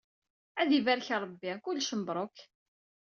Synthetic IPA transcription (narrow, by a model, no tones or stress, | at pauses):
æðivæɾçɾˤəbːikʊlːʃəmbɾˤok